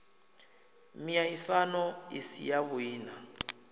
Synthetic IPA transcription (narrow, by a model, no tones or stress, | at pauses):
miaisanɔisḭjaβuiːna